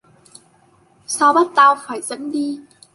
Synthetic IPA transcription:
saː˧wɓa˦˥t̚t̪aː˧wfaː˧˩jzə̰˧˥nɗi˧

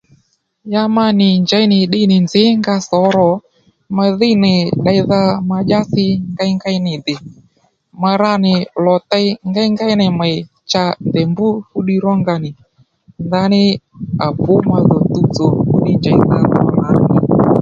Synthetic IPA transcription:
ja˧ma˧nɪ˨ɲd͡ʒa˨i˦nɪ˨ɗɪ˦nɪ˨nzɪ˨˦ŋɡa˧sɔ˨˦ɾɔ˨ | ma˧ðɪ˦nɪ˨ɗa˧jða˧ma˧d͡ʒa˦θɪ˧ŋɡa˦i˦ŋɡa˦i˦nɪ˨dɪ˨ | ma˧ɾa˦nɪ˨lɔ˨t̪a˦jŋɡa˦jŋɡa˦jnɛ˨ma˨ɪ˨ | t͡ʃa˧ndɛ˨mbu˦fu˦ɗi˧ɾɔ˦ŋɡa˧nɪ˨ | nda˧˦nɪ˦a˨bʊ˦ma˧ðɔ˨t̪u˦t͡sɔ˨fu˦ɗi˦ɲd͡ʒa˨i˦ða˨ðɔ̰˨la˦nɪ˨

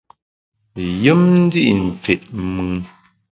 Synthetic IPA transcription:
jɨ˦mn̩˦di˦ʔn̩˨p͡fe˨ʔmɨ˨˦

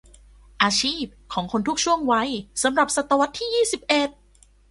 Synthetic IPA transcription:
ʔaː˧t͡ɕʰiː˥˩p̚kʰɔː˩˦ŋkʰo˧nt̪ʰu˦˥k̚t͡ɕʰu˥˩əŋwa˦˥jsa˩˦mɾa˨˩p̚sa˨˧˩t̪ːa˧wa˦˥t̪ʰːiː˥˩jiː˥˩si˨˩p̚ʔe˨˩t̪̚

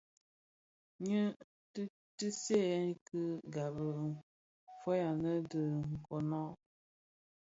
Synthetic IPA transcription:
ɲə˦ | t | tɨ˦se˦kɨ˦ɡa˨bə˨ | fɔ˦ja˨nə˦də˨ŋ̩˨kɔ˨nɔ˦

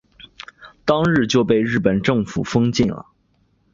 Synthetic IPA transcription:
t̪ɑ˥ŋɻɻ̩˥˧t͡ɕjo˥˧ʊpe˥˧ɪɻɻ̩˥˩pə˨˩nʈ͡ʂɤ˥˩ŋfṵ˨˩fɤ˥ŋt͡ɕi˥˩nlə̰˩

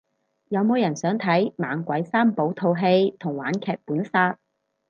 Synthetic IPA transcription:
jɐ˨˧wmo˨˧wjɐ˨˩nsœː˨˥ŋt̪ʰɐ˨˥jmaː˨˧ŋkʷɐ˨˥jsaː˥mpo˨˥wt̪ʰo˧wɦe˧jt̪ʰʊ˨˩ŋwaː˨˥nkʰɛː˨˧k̚puː˨˥nsaː˧t̚

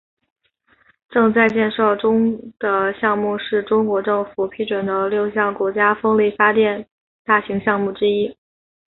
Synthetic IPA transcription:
ʈ͡ʂɤ˥˧ŋt͡sa˥˧ɪt͡ɕjɛ˥˧nʂɑ˥˩ʊʈ͡ʂʊ˥ŋd̪̥ə˨ɕjɑ˥˧ŋmu˥˧ʂɻ̩˥˩ʈ͡ʂʊ˥ŋkwɔ˧˥ʈ͡ʂɤ˥˩ŋfu˨˩pʰi˧˥ʈ͡ʂwə˨˩nd̪ə˧ljo˥˧ʊɕjɑ˥˩ŋkwɔ˧˥t͡ɕja˥fɤ˥ŋli˥˩fa˥t̪jɛ˥˧n | t̪a˥˩ɕi˧˥ŋɕjɑ˥˧ŋmu˥˩ʈ͡ʂɻ̩˥i˥

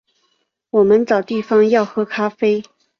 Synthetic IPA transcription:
wɔ˨˩mə˨˦nt͡sɑ˨˩ʊt̪i˥˩fɑ˥ŋjɑ˥˩ʊxɤ˧˥kʰa˥fe˥ɪ

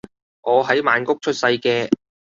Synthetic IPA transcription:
ŋɔː˨˧ɦɐ˨˥jmaː˨˧nkʊ˥k̚t͡ʃʰɵ˥t̚sɐ˧jkɛː˧

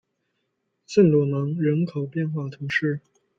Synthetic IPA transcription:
sə˥˩nlwɔ˨˩mɤ˧˥ŋɻə˧˥nkʰo˨˩ʊpjɛ˥˧nxwa˥˩t̪ʰʊ˧˥ŋʂɻ̩˥˩

